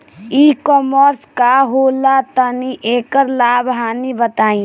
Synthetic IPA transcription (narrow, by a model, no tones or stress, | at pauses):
iːkɔːməɾskaɦoːlat̪əniʔeːkəɾlaːbɦaːnibət̪aːĩ